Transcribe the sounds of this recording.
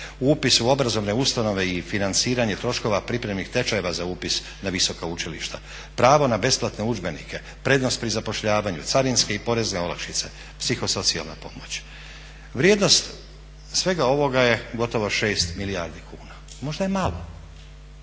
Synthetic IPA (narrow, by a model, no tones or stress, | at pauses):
upisuo̞bɾazo̞ʋne̞ust̪ano̞ʋe̞ifinant̪siːɾaɲet̪ɾo̞ʃko̞ʋapɾipɾe̞mnixt̪e̞t͡ʃaje̞ʋazauːpis | naʋiso̞kaut͡ʃilḭʃt̪a | pɾaːʋo̞nabe̞splˠat̪ne̞ud͡ʒbe̞nḭkʰe̞ | pɾe̞ːd̪nost̪̚pɾizapo̞ʃʎaːʋaɲut̪saɾinske̞ipo̞ɾe̞zneo̞la̰kʃit̪se̞ | psixo̞so̞t̪sia̰lna̰po̞mot͡ɕ | ʋɾjed̪no̞st̪ | sʋe̞ɡao̞ʋo̞ɡaje̞ɡo̞t̪o̞ʋoʃe̞ːst̪miliaɾd̪ikʰuːna | mo̞ʒd̪ajemalo̞̰